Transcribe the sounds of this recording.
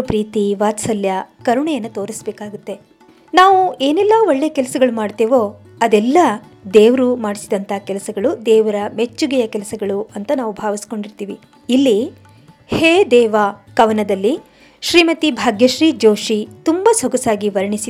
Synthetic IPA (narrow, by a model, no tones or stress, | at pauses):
pɾiːt̪iʋaːt̪sɐljɐkɐɾuɳɛjɐnːɐt̪o̞ːɾisbɛːkaːɡut̪ːe̞ | naːʋueːnɛlːɐoɭːeːɐkɛlɐsɐɡɐɭumaːɽt̪eːʋo̞ | ɐd̪ɛlːɐ | d̪eːʋɾumaːɽisid̪ɐnt̪ʰakɛlɐsɐɡɐɭud̪ɛːʋɐɾɐmet͡ʃːuɡɛjɐkɛlɐsɐɡɐɭuɐnt̪ɐnaːʋubʱaːʋisko̞ɳɖiɾt̪iːʋiː | lːi | heːd̪ɛːʋakɐʋɐnɐd̪ɐlːi | ʃɾiːmɐt̪ibʱaːɡjɐʃɾiːd͡ʒoːʃit̪umbɐsoɡɐsaːɡiʋɐɾɐɳisi